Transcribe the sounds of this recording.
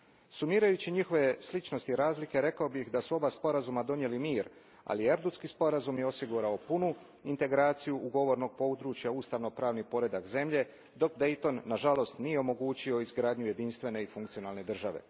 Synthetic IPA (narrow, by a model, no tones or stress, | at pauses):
sumiːɾajut͡ɕiɲixo̞ʋe̞slit͡ʃno̞st̪iɾaːzlike̞ɾe̞kaobixd̪asuo̞baspo̞ɾazumad̪o̞nje̞limiːɾ | a̰lieɾd̪ut̪skispo̞ɾazumjeo̞siɡuɾaopunu | int̪e̞ɡɾaːt̪sijuʔuɡo̞ʋo̞ɾno̞ɡ̚po̞ud̪ɾuːt͡ʃjauːst̪aʋno̞pɾaːʋnipo̞ɾe̞d̪akze̞mʎe̞ | d̪o̞kd̪e̞jt̪o̞nːaʒalo̞st̪nije̞o̞mo̞ɡuːt͡ɕio̞izɡɾaːd̪ɲuje̞d̪inst̪ʋe̞ne̞ifuŋkt̪sio̞naːlˠne̞d̪r̩ʒaʋe̞̰